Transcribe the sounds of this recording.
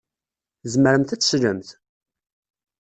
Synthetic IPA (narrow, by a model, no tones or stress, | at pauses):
zməɾəmθæt͡sːsləmθ